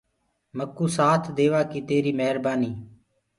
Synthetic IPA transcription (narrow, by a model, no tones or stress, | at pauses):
məkːuːsaːt̪ʰd̪eːʋaːkit̪eːɾiːməɦəɾbaːniː